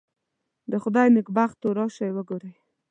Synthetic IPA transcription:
d̪əxʊd̪ɑjnɪkbaxt̪oɾɑʃajwəɡoɾaj

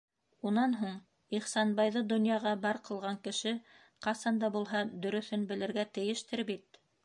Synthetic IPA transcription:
unɑnɦuɴ | iχsɑnbɑjðɤd̪ŏnjɑʁɑbɑɾqɤ̆lˠʁɑŋkɘ̆ʃɘ | qɑsɑnd̪ɑbulˠɦɑd̪ɵ̆ɾɵ̆θɘnbɘ̆lɘ̆ɾɡæt̪ɘ̆jɘ̆ʃt̪ɘɾbit̪̚

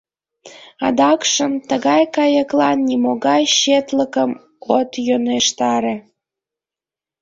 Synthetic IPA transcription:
ɑd̪ɑkʃəmt̪əɣɑjkɑjəklɑnːimoɣɑjʃet̪ləkəm | ot̪joneʃt̪ɑɾe

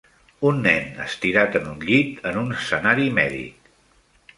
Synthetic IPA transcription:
unːɛnə̰st̪iɾat̪ənunʎit̪ənunəsːənaɾimɛðḭk

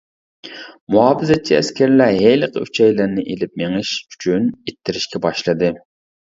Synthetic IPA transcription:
muɦɑːbɨzɛt͡ʃʰːiæ̰skʲæɾlæɦeləqʰəyt͡ʃʰɛjlɪɾnɪʔelɪp̚meŋɨʃy̥t͡ʃʰynet̪ʰːɪɾɪʃkʲʰɛbɑʃlˠɨd̪ɨ

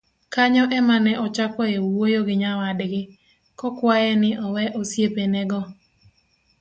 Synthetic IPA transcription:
kaɲɔʔɛmanɛʔɔt͡ʃakɔewojoɡɪɲawadɡɪ | kɔkwajɛnɪʔɔwɛʔosjepenɛɡɔ

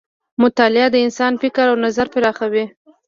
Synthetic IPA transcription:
mʊt̪ɑlɪad̪əɪnsɑnfɪkɾawnazaɾpɪɾɑxawi

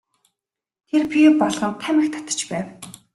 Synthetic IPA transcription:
t̪ʰerpʲipɔɮʁɞ̆nt̪ʰæmʲɘ̆kt̪ʰḁt̪ə̥̆t͡ɕpæːw

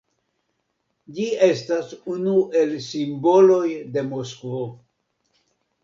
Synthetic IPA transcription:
d͡ʒie̞stasunuʔe̞lsimbo̞lo̞jde̞moskvo̞

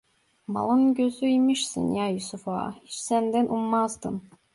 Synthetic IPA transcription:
ma̰lˠɯnɟøzyimiʃsɯ̰njajusufa̰hit͡ʃsænd̪ænʔummazd̪ɯm

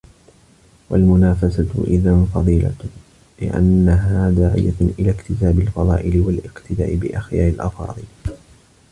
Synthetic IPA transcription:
wa̰lmʊnaːfasat̪ʔɪðanfɑðˤiːla̰ | lɪ̰ʔa̰nːaɦaːd̪aːʕɪ̰ja̰ʔɪlaːkt̪ɪsaːbɪlfɑðˤɑ̰ːʔɪlɪwalʔɪqt̪ɪd̪a̰ːʔɪbɪʔaxjaːʔɪlʔɑfɑ̰ːðˤɨl

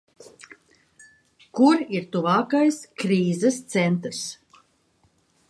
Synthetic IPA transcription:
kuɾiɾt̪uvaːkajskɾiːzɛst̪sɛnt̪ɾs

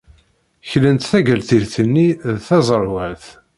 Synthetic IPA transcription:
çlənt̪θæɡəlt̪iɾθənːiðθɑzˤəɾˤwæθ

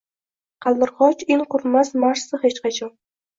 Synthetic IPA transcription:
qʰɑlˠd̪ɪɾχɒt͡ʃɪŋqʰʊɾmasmaʃsɨhet͡ʃqɑt͡ʃʰɒn

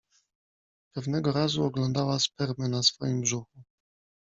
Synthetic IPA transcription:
pɛvnɛɡɔɾazuɔɡlɔnd̪awaspɛɾmɘnasfɔjimbʐuxu

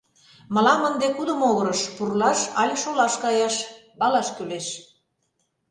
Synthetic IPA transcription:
mə̆lɑmənd̪ekud̪ə̆moɣəɾəʃpurlɑʃɑ̰lʲʃolɑʃkɑjɑʃbɑlɑʃkyleʃ

